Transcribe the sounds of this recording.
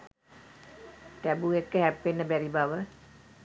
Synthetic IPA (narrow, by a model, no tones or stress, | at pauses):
t̪æbuekːəɦæpːenːəbæɾibaʋə